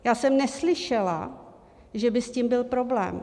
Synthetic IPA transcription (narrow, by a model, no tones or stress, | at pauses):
jaːsɛmnɛslɪʃɛla̰ | ʒɛbɪsciːmbɪlpɾo̞blɛ̰ːm